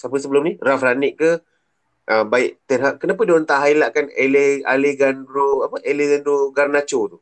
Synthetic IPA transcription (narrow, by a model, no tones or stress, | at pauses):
sapəs̬əbəlʊmnirafraniʔkə | ʔəbaɪʔt̪ɛnɦaʔkənap̬ədiont̪aʔɦailaʔkanelɛha̰leɡanɾoapəʔeleɡandoɡarnat͡ʃot̪u